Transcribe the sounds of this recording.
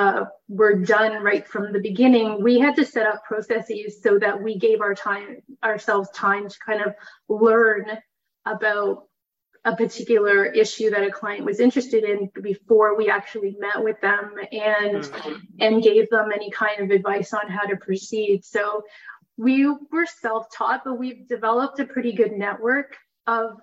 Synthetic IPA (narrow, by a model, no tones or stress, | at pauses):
wə˞dʌ̃nɹaɪtfɹʌ̃mðɨbɨɡɪ̃nɪ̃ŋwiɨd̚tɨsɛɾʌpʰɹ̥oʊsɛsiz̥soʊðɨt̚wiɡeɪvaʊə˞tʰãɪ̃ə˞sɛlˠvz̥tʰãɪ̃mtʰə̥kʰãɪ̃ndʌv̥ | lɜ̃˞n | əbaʊɾ | ʔəpə˞tʰɪkjl̩ˠə˞ʔɪʃʉðɨɾɨkʰl̥aɪɨ̃nʔwʔʌzɪ̃nt͡ʃɹ̥ɨstɨɾɪ̃nbɨfɔɹwiæk̚t͡ʃul̩ˠimɛʔ̚wɨðə̃mɨ̃nɨ̃nɡeɪvðə̃mɛnikʰãɪ̃ndʌvɨdvaɪsn̩ɦaʊɾɨpʰɹ̥ɨsid̥soʊ | wiwə˞sɛlˠftʰɔt̚b̥ʌt̚wivdɨvɛlˠəp̚tɨpʰɹ̥ɪɾiɡʊdⁿnɛʔwɜ˞k | ʔʌv̥